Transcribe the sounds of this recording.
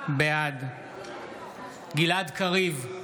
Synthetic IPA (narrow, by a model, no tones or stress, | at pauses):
bead̪ | ɡilad̪kaʁiv